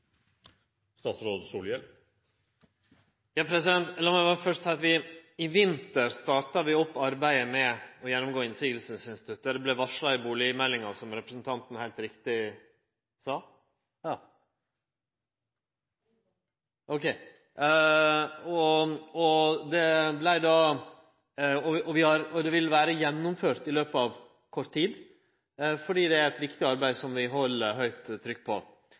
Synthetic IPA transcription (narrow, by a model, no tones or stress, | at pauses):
st̪ɑːt̪sɾoːd̪suːljə | jɑːpʰɾɛsɪd̪ɛnt̪lɑːmɛʋɑfœʂʈsæɪɑt̪ʋɪɪʋɪnt̪əɾst̪ɑːʈɑʋɪɔpːɑɾbæɪəmɛɔjɛnːʊmɡoːɪnsiːɡl̩səsɪnst̪ɪ̥t̪ʰʉt̪ːəɖɛblɛʋɑʂɭɑɪbuːlɪmɛlːɪŋɑsɔmɾɛpɾəsn̩t̪ʰɑnt̪n̩hæɪlt̪ɾɪkt̪ɪ | sɑː | ʔɔkʰɛɪ | ɔɔd̪ɛblæɪd̪ɑ | ɔɔʋɪhɑɾɔd̪ɛʋɪlʋæːɾəjɛnːʊmføːɾʈ̪ɪløːpəɑʋ | kʰɔɾt̪ʰːiːd̪ | fɔɖiːd̪ɛæɾɛt̪ʋɪkt̪ɪɑɾbæɪsɔmʋɪɦɔlːəɦœʏt̪ʰːɾʏkːpʰɔ̰